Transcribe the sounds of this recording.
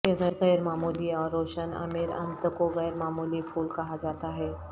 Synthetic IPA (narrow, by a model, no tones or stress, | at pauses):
eɣəjɾɣəjɾmamuliɔɾːoɕəna̰miɾə̰nt̪əkoɣəjɾmamuliːfuːlkaɦad͡zat̪aɦe